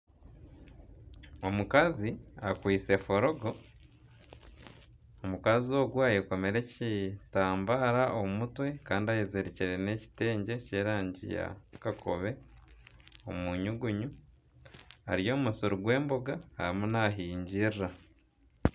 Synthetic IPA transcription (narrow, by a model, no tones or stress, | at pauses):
o̞mukaziakwiːse̞foɾo̞ɡo̞ | omukazio̞ɡwaːjeko̞me̞ɾe̞citaːmbaɾaʔomutwe̞kaːndiajezeɾeciɾe̞ne̞ci̥te̞ːɲɟe̞ce̞ːɾaːɲɟḭja̰kakʰoβe̞ | omuɲuɡuɲu | a̰ɾijo̞ːmusuɾuɡwe̞ːmboɡaaɾimunaɦiːɲɟirra